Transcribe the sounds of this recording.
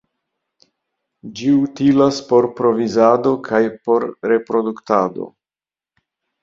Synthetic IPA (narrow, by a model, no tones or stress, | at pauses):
d͡ʒiutilaspo̞ɾpɾo̞vizado̞kʰajpo̞ɾɾe̞pɾo̞duktado̞̰